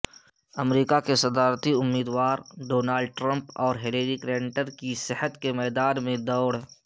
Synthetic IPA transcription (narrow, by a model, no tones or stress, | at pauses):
əmɾiːkakesɐd̪aːɾt̪iʊmːiːd̪waːɾɖoːnaːlɖ̚ʈɾə̃mpɔːɾɦɪleːɾikɾẽːɳʈəɾkisɪhət̪kemɛːd̪aːnmẽd̪ɔːɽ